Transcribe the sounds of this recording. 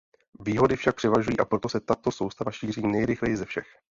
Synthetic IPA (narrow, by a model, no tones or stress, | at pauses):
viːɦo̞dɪfʃak̚pr̝̥ɛvaʒujiːʔapɾo̞t̪osɛt̪at̪o̞so̞wst̪avaʃiːr̝iːnɛjɾɪxlɛjɪzɛfʃɛx